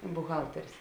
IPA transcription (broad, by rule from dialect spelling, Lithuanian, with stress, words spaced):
bʊˈɣɐlʲtʲɛrʲeːs